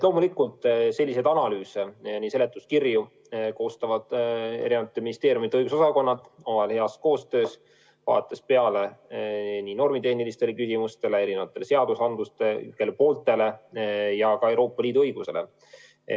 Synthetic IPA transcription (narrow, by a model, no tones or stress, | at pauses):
lo̞ːmulikːˑult̪ˑse̞lʲːised̪ɑnɑlyːsenisele̞t̪ːˑuskirju | ko̞ːst̪ɑvɑd̪̥ḛɾinevɑt̪ːˑeminist̪eːɾjumit̪eɤ̞jɡuso̞sɑko̞nːɑd̪omɑlhe̞ɑsko̞ːst̪ø̞ːs | vɑ̰ːt̪ːˑespe̞ɑle̞ | nino̞rmit̪e̞hnilist̪e̞lekysimust̪e̞le̞e̞ɾinevɑt̪ːˑe̞le̞se̞ɑd̪̥usɑnd̪lust̪ekelepo̞ːlt̪ˑe̞le̞jɑkɑewɾo̞ːpːˑɑliːd̪uɤjɡ̥use̞̰le̞̰